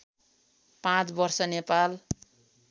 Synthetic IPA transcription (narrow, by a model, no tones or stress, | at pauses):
pãt͡sbʌrsʌnepal